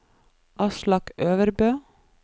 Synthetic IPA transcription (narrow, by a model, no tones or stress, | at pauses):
ʔɑʃlɑkøːʋəɾbøː